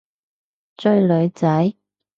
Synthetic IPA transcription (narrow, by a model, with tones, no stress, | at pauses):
t͡sɵ˧ɥlɵ˨˧ɥt͡sɐ˨˥j